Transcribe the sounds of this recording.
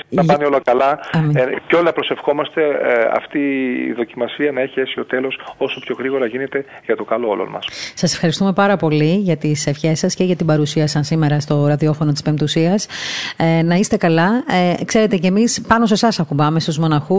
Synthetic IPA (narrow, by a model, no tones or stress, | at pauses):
nɐpɐnio̞lɐkɐlɐɐmiceo̞liɐpɾo̞se̞fxo̞mɐst̪e̞ɐ̰ft̪ḭːðo̞cimɐsiɐnɐeçie̞sio̞t̪e̞lo̞so̞so̞pço̞ɣɾiɣo̞ɾɐʝine̞t̪e̞ | ʝɐt̪o̞kɐloo̰lo̰mɐ̰ssɐse̞fxɐɾist̪ume̞pɐɾɐpo̞liʝɐt̪isefçe̞sɐsceʝɐt̪ibɐɾusiɐsɐnsime̞ɾɐst̪o̞ɾɐðio̞fo̞not̪ispe̞mt̪usiɐs | nɐist̪e̞kɐlɐkse̞ɾe̞t̪e̞cemispɐno̞se̞sɐsɐkubɐme̞st̪uzmo̞nɐxu